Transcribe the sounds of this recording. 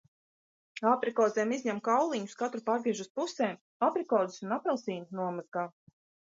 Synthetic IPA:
apɾikɔːzɛːmizʲɲɛmkawlˠiɲu̥skat̪ɾupaːɾviɛʒuspusɛːm | apɾikɔːd̪i̥sunapɾɛlˠsiːnnuɔmazɡaː

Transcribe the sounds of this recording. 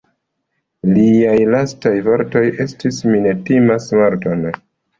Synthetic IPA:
liajlastajvo̞ɾto̞je̞stisminetimasmaɾton

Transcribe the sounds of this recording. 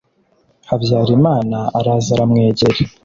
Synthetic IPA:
haβjaːɾimaːnaaɾaːzaɾamŋe̞ːɟe̞ɾe

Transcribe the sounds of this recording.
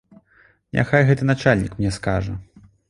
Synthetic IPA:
nʲʔa̰xajɣɛt̪ɨnat͡ʂalʲnʲḭkmnʲɛskaʐɐ̰

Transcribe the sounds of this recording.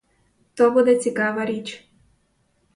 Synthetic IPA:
t̪obud̪ɛt͡ssʲikaʋaɾit͡ʃ

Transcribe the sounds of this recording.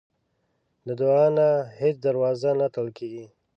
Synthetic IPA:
ləd̪oɑnahet͡ʃd̪aɾwɑzanat̪əlkeɡi

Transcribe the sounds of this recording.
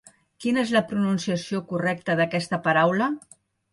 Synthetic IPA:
kinəezləpɾununsiəsiokurɛk̚t̪əðəkɛst̪əpɐɾawlə

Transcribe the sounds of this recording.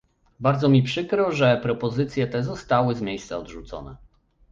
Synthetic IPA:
baɾd̪zɔmʲipʂɘkɾɔʐɛpɾɔpɔzɘt̪sʲjɛt̪ɛzɔst̪awɘzmʲjejst̪sa̰ɔd̪ʐut̪sɔ̰nɛ̰

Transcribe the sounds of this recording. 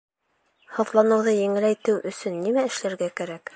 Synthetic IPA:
hɤ̆ðlˠɑnɤ̆wðɤjɘ̆ŋɘ̆læjt̪ɘwʔɵ̆sɵnːimæɘ̆ʃlæɾɡækæɾæk

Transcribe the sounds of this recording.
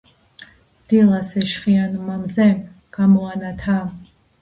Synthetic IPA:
d̪̥ilasɛʃχianumamzɛm | ɡ̥amɔanat̪ʰa

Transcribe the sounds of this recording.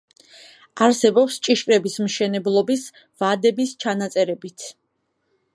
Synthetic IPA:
aɾsɛbɔpst͡ʃʼiʃkʼɾɛbismʃɛnɛblˠɔbis | vad̪ɛbist͡ʃʰanat̪sʼɛɾɛbit̪ʰ

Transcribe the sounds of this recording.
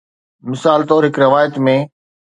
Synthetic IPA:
mɪsaːlt̪ɔːɾɦɪkɾɐʋaːjət̪mẽ

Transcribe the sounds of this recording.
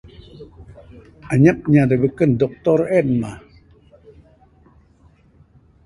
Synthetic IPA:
aɲap̚ɲadəbəkəndɔk̚t̪ɔrɛnma

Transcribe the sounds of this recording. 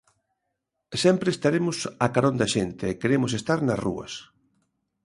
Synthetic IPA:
sɛmpɾeːst̪aɾemʊsakaɾõnd̪ɐʃent̪eːkeɾemʊsest̪aɾnɐsrṵɐ̰s

